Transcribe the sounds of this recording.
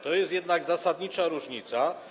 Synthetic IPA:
t̪ɔjɛst̪jɛd̪naɡzasad̪ɲit͡ʂaɾuʐɲit̪sa

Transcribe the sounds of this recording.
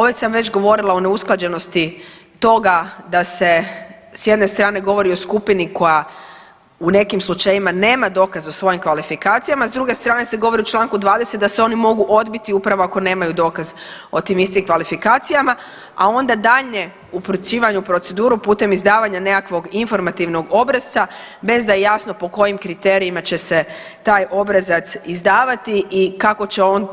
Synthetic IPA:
oʋesamʋe̞t͡ɕɡo̞ʋo̞ɾilˠaone̞usklˠad͡ʑe̞no̞st̪it̪o̞ɡad̪ase̞sje̞d̪ne̞st̪ɾaːne̞ɡo̞ʋo̞ɾio̞skupiniko̞ja | une̞kimslˠut͡ʃajimane̞ːmad̪o̞ːkazo̞sʋo̞jimkʋalifikaːt̪sijamazd̪ɾuɡe̞st̪ɾaːne̞seɡo̞ʋo̞ɾiut͡ʃlˠaŋkud̪ʋaːd̪eset̪̚d̪aseo̞nimo̞ɡuʔo̞d̪bit̪iupɾaʋoako̞ne̞ːmajud̪o̞kaz | o̞t̪iːmist̪imkʋalifikaːt̪sijama | ao̞nd̪ad̪aʎɲe̞ | upɾusiːʋaɲupɾo̞t̪se̞d̪uːɾupuːt̪e̞mizd̪aːʋaɲane̞kakʋo̞ɡinfo̞ɾmat̪iʋno̞ɡo̞bɾaz̥a | be̞zd̪ajejasno̞po̞ko̞jimkɾit̪e̞ɾiimat͡ɕe̞se̞ | t̪aːjʔo̞bɾazat̪sizd̪aːʋat̪iʔikako̞t͡ɕe̞o̞n

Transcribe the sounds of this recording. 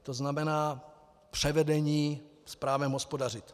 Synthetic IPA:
t̪oznamɛnaː | pr̝̥ɛvɛdɛɲiːspɾaːvɛmɦospodar̝ɪt̪

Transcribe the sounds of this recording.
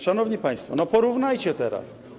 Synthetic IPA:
ʂanɔvɲipaj̃st̪fɔ̰nɔpɔɾuvnajt͡ɕɛt̪ɛɾa̰s

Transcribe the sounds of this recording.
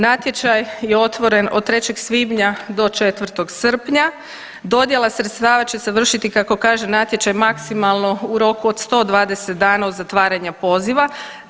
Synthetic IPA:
nat̪je̞t͡ʃajjeo̞t̪ʋo̞ɾe̞nod̪̚t̪ːɾe̞t͡ɕe̞ɡsʋiːbɲad̪o̞t͡ʃe̞t̪ʋr̩t̪o̞ɡsr̩pɲa | d̪o̞d̪je̞lˠasɾet̪st̪aːʋat͡ɕe̞seʋr̩ʃit̪ikako̞kaːʒenat̪je̞t͡ɕajmaksimalˠno̞uɾo̞kuod̪st̪o̞d̪ʋaːd̪e̞set̪̚d̪aːnao̞d̪zat̪ʋaːɾaɲapo̞ziʋa

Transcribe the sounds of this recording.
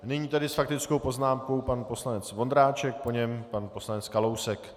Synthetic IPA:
nɪɲiːt̪adɪsfak̚t̪ɪt͡sko̞wpo̞znaːmko̞wpanpo̞slanɛt͡svo̞nd̪ɾaːt͡ʃɛk̚po̞ɲɛmpanpo̞slanɛt͡skalo̞wsɛk

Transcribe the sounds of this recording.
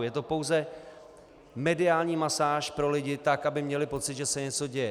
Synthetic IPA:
jɛt̪o̞po̞wzɛ | mɛdɪaːlɲiːmasaːʃpɾo̞lɪɟɪt̪akʔabɪmɲɛlɪpo̞t͡sɪt̪ʒɛsɛɲɛt͡so̞ɟɛjɛ

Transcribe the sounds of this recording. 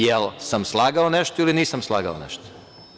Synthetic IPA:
jelˠsamslˠaːɡaoneʃt̪oiliniːsamslˠaːɡa̰o̰nḛʃt̪o̥

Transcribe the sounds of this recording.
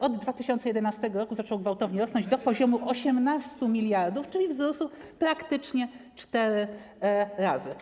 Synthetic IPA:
ɔd̪ːvat̪ɘɕɔntsɛjɛd̪ɛnast̪ɛɡɔɾɔkuzat͡ʂɔwɡvawt̪ɔvɲɛɾɔsnɔ̃nɲd͡ʑd̪ɔpɔʑɔmuʔɔɕɛmnast̪umʲilʲjaɾd̪uft͡ʂɘlʲivzɾɔsupɾakt̪ɘt͡ʂɲɛt͡ʂt̪ɛɾɘ | ɾazɘ

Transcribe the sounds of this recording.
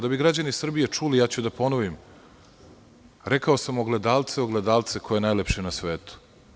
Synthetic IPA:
d̪abiɡɾad͡ʑanisr̩bijet͡ʂulijaːt͡ɕud̪apo̞noʋim | ɾekaosamoɡled̪aːlˠt̪seo̞ɡled̪aːlˠt̪sekʰo̞jenajlepʃenasʋeːt̪u̥

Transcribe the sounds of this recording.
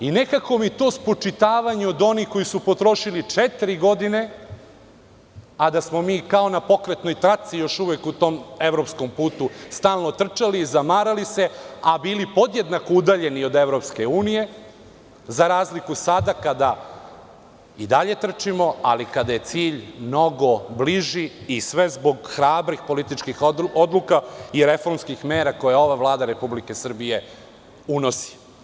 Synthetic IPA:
ine̞kako̞mit̪o̞spot͡ʃit̪aːʋaɲeod̪o̞niko̞jisupo̞t̪ɾo̞ʃilit͡ʂet̪iɾiɡo̞d̪ine̞ | ad̪asmo̞miːkao̞napo̞kɾet̪no̞jt̪ɾat̪sijo̞ʃuʋekut̪o̞ːme̞ʋɾo̞psko̞mpuːt̪ust̪aːlˠno̞t̪r̩t͡ʃalizamaːɾalise̞abiːlipo̞d̪jed̪nakoud̪aʎe̞nio̞d̪e̞ʋɾo̞pske̞uːnije̞ | zaɾaːzlikusad̪akad̪a | id̪aʎe̞t̪r̩t͡ʂimo̞alikad̪aje̞t̪siːʎmno̞ɡo̞bliʒiːsʋe̞zbo̞ɡxɾaːbɾixpo̞lit̪it͡ʃkixod̪lukaiɾe̞fo̞ɾmskixmeːɾako̞jeo̞ʋavlˠaːd̪aɾe̞publike̞sr̩bije̞ | uno̞si̥

